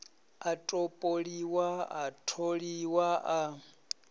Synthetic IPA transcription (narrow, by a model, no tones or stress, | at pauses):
atʼopʼoɺiwaatʰoɺiwaʔa